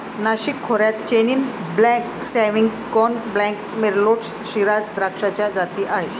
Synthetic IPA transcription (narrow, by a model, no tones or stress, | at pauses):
naʃikʰːoɾɛt̪t͡ɕeninblɛksɛmiŋ | kɔnblɛŋkmeɾloʈsʃiɾasd̪ɾakʃat͡ɕad͡ʑat̪iʔae